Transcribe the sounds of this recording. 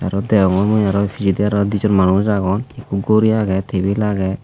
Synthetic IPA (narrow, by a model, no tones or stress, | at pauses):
aɾɔd̪ɛɔŋɔmujaɾɔfʰizid̪iaɾɔd̪izɔɾmanuzaɡɔnekuɡoɾiaɡɛt̪ʰebilaɡɛ